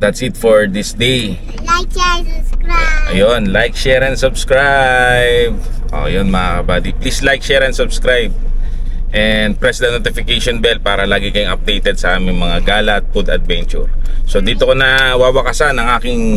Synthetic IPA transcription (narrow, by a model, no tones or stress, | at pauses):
d̪ɐt̪sɪt̪foɹd̪ɪsd̪ej | ʔɐjonlajk̚ʃɛɾɐnsʊbskɹajb̚ | ʔo̰jonmɐŋakɐbaːd̪iplislajk̚ʃɛːɾɐnsʊbskɹajb̚ | ʔɛnd̪̚pɾɛsd̪ɐnot̪ɪfɪkejʃonbɛl̚paːɾɐlaːɡɪkɐjʊŋʔɐp̚d̪ejt̪ɛd̪sɐʔaːmɪŋmɐŋaɡaːlɐt̪̚pʊd̪ɐd̪̚vɛnt͡ʃʊ̰ɹso̞d̪iːt̪okonɐwaːwɐkɐsanɐŋʔaːkɪŋ